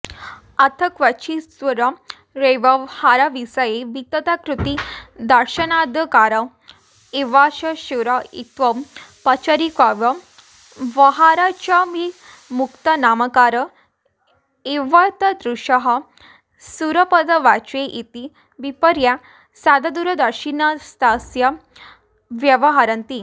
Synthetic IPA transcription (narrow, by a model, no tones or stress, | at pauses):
at̪ʰəkʋat͡ɕisʋəɾə | ɾeʋəhaɾaʋisəjeʋit̪ət̪akɾut̪id̪əɾɕənad̪əkaɾə | eʋaɕəɕuɾəḭt̪ʋəmpət͡ʃəɾikʋaʋə | ʋəɦaɾat͡ɕami | mukt̪ənaməkaɾə | eʋət̪əd̪ɾuɕəɦə | suɾəpəd̪əʋat͡ɕeʔit̪i | ʋipəɾja | sad̪ad̪uɾəd̪əɾɕinəst̪asjə | ʋjəʋəɦaɾənt̪i